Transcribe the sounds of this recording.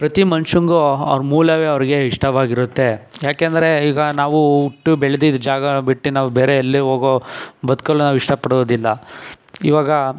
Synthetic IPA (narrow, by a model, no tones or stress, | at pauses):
pɾɐt̪imɐnʂuŋɡoɐ̰ʋɾmuːlɐʋeɐʋɾiɡe̞iʂʈɐʋaːɡiɾut̪ːe̞jaːkeːnd̪ɐɾe̞iːɡɐnaːʋuuʈːubeɭed̪id̪d͡ʒaːɡɐbiʈːinaːʋubeːɾeːlːiɦoːɡobɐd̪koɭːonaːʋuiʂʈɐpɐɽoːd̪ilːɐ | ḭʋaːɡɐ